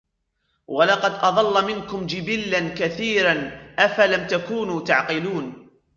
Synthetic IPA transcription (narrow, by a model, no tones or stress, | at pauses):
wʔɑlɑqɑd̪ʔɑðˤɑlːɑmɪnkʊmd͡ʒɪbilːankaθiːɾanʔafalamt̪akuːnuːt̪aʕqɪluːn